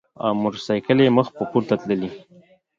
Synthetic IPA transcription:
a̰wmʊɾsajkəleməxpəpuɾt̪at̪ləli

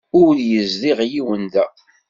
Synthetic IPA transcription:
ʊɾjəzðiʁjiwənðæ

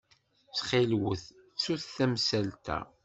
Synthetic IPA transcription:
t͡sχilwəθ | suθθæmsælt̪æ̰

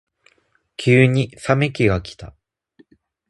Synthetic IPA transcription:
kʲʰɨːɲ̟isamekʲiɡakʲi̥t̪a

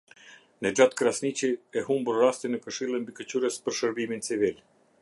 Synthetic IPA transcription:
nɛd͡ʒat̪kɾasnit͡ʃiɛhumbuɾrast̪inəkəʃilˠimbikət͡ɕuɾəspəɾʃəɾbimint͡sivil

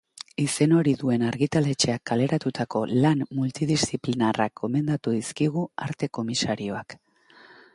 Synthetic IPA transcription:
ise̞no̞ɾiðue̞naɾɣit̪ale̞t͡ʃe̞akːale̞ɾat̪ut̪ako̞lanmult̪iðistiplinarak̚ːo̞me̞nd̪at̪uðiskiɣ̞ua̰ɾt̪e̞ko̞misaɾio̞ak

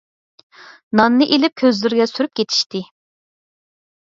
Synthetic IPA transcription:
nɑnːɨʔelɪp̚kʲʰøzlɪɾɡʲɛsyɾyp̚kʲʰet̪ʰi̥ʃt̪ɪ

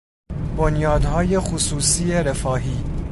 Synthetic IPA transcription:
bonjɒːd̪hɒːjexusuːsiːeɾefɒːɦiː

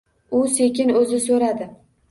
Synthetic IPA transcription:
ʊsekʲɪnɵzɪsɵɾad̪ɪ

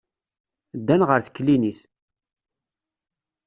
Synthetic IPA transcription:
d̪ːænʁəɾθkːliniθ

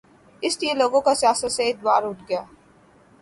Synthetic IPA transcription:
ɪsliẽloːɡõkasijaːsət̪seɪd̪̚waːɾʊʈʰɡɐjaː

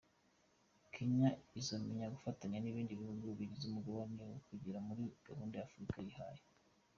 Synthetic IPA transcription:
kʰiɲaizomiɲaɡufataɲaniβiːɲɟiβihuɡuβiɟizumuɡoβonewokuɟiɾamuɾiɡ̥ahuːndejafuɾikajiha̰ːje

